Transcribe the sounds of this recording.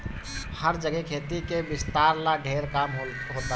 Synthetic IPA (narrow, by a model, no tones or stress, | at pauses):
həɾd͡ʒəɡɛkʰeːt̪ikebɪst̪aːɾlaɖʱeːɾkaːmɦ | ɦoːt̪a